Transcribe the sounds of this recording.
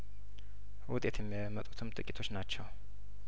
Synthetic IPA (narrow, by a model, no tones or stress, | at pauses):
wʊt̪ʼe̞t̪ʰjɛmːijamːət̪ʼu̥t̪ʰɨmt̪ʼɨkʼit̪ʰo̞t͡ʃːnat͡ʃːɛw